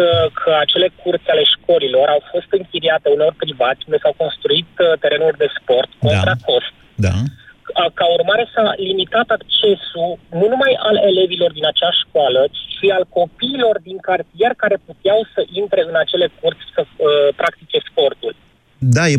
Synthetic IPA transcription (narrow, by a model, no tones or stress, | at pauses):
kʰəat͡ʃe̞le̞kʰurt̪sʲale̞ʃko̞lilo̞ɾʔawfo̞st̪ɨŋkʲiɾiat̪e̞uneo̞rʲpɾivat̪sʲund̪e̞sawko̞nst̪ɾuit̪t̪e̞ɾe̞nulʲd̪e̞spo̞rt̪ko̞nɾakʰo̞st̪̚ | d̪a̰əkaurmaɾe̞salimit̪at̪akt͡ʃe̞sununumajale̞le̞vilo̞rd̪inat͡ʃeaʃkoalət͡ʃi̥ʃialko̞piːlo̞rd̪iŋkart̪ije̞rkaɾe̞put̪jawsəʔint̪ɾe̞ɨnat͡ʃe̞le̞kurt̪sʲsəəpɾʔak̚t̪it͡ʃe̞spo̞rt̪ul | d̪aj